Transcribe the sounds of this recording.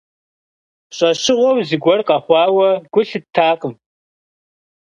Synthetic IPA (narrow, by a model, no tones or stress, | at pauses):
ɕʼɐɕɪʁʷowziɡʷɔrqʼɑχʷɑːwɐɡ̥ʷʊɬɨtʰːaːqəm